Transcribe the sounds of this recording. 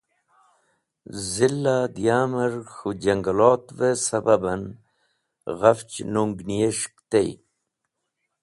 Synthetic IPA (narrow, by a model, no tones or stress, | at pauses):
zilːad̪ijaːmɐɾxud͡ʑɐŋɡaloːt̪vesɐbabɐn | ɣɐft͡ɕnuŋɡnijeʂkt̪ej